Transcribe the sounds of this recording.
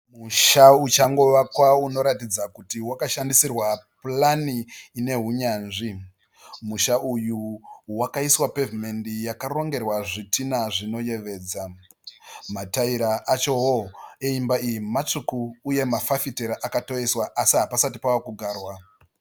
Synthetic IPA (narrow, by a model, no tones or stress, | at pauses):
muʃaut͡ʃaŋɡo̞ʋakwauno̞ɾatid͡zakutiwakaʃandisirwaplaniːne̞ɦuɲaːnʐi | muʃaujuwakaiswape̞vime̞ndijakaro̞ŋɡe̞rwaʐitʰinaʐino̞je̞ʋe̞ːd͡za | mataiɾaʔat͡ʃo̞woeimbaijimat͡ʂukuːje̞mafafiteɾaʔakato̞eswaʔasiɦapasatipawakuɡʱaːrwa